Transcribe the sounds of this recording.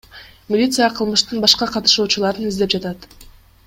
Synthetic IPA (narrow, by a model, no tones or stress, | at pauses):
mʲɪlʲit̪sɨjaqʰɯlˠmɯʃt̪ɯnbɑʃqɑqʰɑt̪ɯ̥ʃuːt͡ʃulˠɑɾɯnizd̪ep̚d͡ʒɑt̪ɑt̪